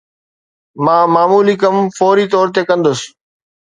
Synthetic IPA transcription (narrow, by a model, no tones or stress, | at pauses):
mãːmaːmuːlikɐmfɔːɾiːt̪ɔːɾt̪̬ekə̃nd̪ʊs